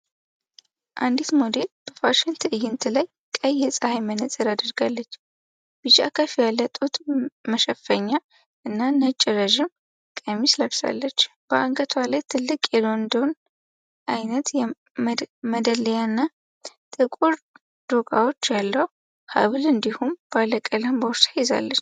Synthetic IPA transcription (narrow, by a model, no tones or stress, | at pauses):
ʔand̪it̪mod̪eb̥əfaʃɪnt̪ʰɨɨjːɪnt̪ʰɨlaj | kʼəjːɛsʼəhajmənət͡sʼɨɾad̪əɾɡalːət͡ʃː | b̥ɨt͡ʃa̰kʰəfijalːət̪ʼut̪məʃəfːəɲːa | ʔɨnːanət͡ʃʼɪɾəʒɪm | kʼəmisləβsa̰lːət͡ʃː | b̥əʔaŋkʼət̪ʰwalajt̪ʰɨlːɨkʼjɛlo̞nd̪own | ʔajnət̪jɛ | məd̪ələjanːa | t̪ʼɨkʼuɾ | d̪̥okʼawo̞t͡ʃːjalːəhu | ha̰βɨlɨnd̪ihumb̥aləkʼələmbəwsajɪza̰lːət͡ʃː